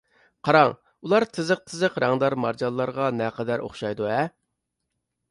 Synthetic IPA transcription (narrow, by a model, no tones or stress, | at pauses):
qʰɑɾɑŋ | ulˠɑɾt̪ʰɨzəq̚t̪ʰɨzəqɾɑŋd̪ɑɾmɑɾd͡ʒɑlˠːɑɾʁɑnɛqʰɛd̪æɾʔo̰χʃɑjd̪uɛ